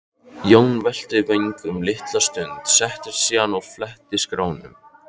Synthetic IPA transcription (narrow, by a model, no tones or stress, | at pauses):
jownvɛl̥t̪ɪvœjɲkʏmlɪht̪last̪ʏnt̪sɛht̪ɪɾ̥siːanawflɛht̪ɪskɾaːwnʏ̰m